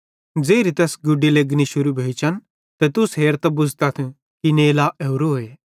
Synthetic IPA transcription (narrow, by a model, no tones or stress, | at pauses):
d͡zeːɾit̪ɛːsɡʊɖileɡniʃʊɾubʱeːt͡ʃʰɐn | t̪ɛt̪ʊsɦeːɾt̪ɐbʊd͡zt̪ɐt̪ʰ | kineːlaʔɛːʊɾoɦoːeː